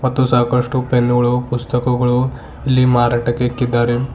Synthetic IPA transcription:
ʋɐt̪usakɐʂʈupenuɡɭopust̪əkɐɡɐɭo | ilːimaɾaʈɐkekːid̪aɾe

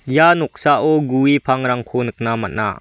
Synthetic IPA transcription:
januk̚saʔɔɡuipʰaŋɾaŋkʰonɯk̚nama̰na̰

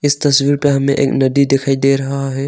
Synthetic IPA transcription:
ɪst̪ɐsʋiɾpeɦɐmḛ̃ʔeːknɐd̪id̪ɪkʰaːid̪eɾɐɦaɦɛ

